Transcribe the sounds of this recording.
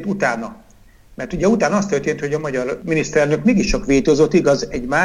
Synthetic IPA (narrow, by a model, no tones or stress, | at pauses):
t̪ut̪aːnɒ | mɛrt̪uɟɛut̪aːnɒɒst̪ørt̪eːnt̪ho̞ɟɒmɒɟɒrminist̪ɛɾɛlnø̞kmeːɡiʃt͡ʃɒkʋeːt̪oːzot̪ːiɡɒzɛɟmaː